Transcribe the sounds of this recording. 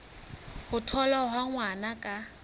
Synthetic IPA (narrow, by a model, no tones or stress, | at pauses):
hʊtʰɔlaɦwaŋwanakʼa